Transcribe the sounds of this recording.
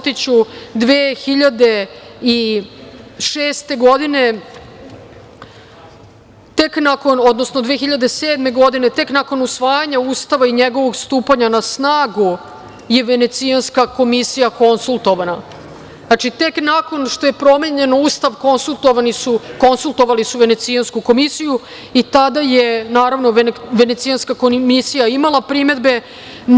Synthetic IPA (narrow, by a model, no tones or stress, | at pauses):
t̪it͡ɕud̪ʋeːxiʎad̪e̞i | ʃeːst̪e̞ɡo̞d̪ine̞ | t̪e̞knako̞nod̪nosnod̪ʋe̞ːxiʎad̪eseːd̪me̞ɡo̞d̪ine̞t̪e̞knako̞nusʋaːjaɲauːst̪aʋaiɲeɡo̞ʋo̞ɡst̪uːpaɲanasnaːɡu | je̞ʋe̞ne̞t̪sianskako̞misijako̞nsulˠt̪o̞ʋana | nat͡ʃit̪e̞knako̞nʃt̪o̞je̞pɾo̞meɲe̞nuːst̪aʋko̞nsulˠt̪o̞ʋanisuko̞nsulˠt̪o̞ʋalisuʋe̞ne̞t̪sijanskuko̞misiju | it̪ad̪ajenaːɾaʋno̞ʋe̞net̪sijanskakomisijaimalˠapɾime̞d̪be̞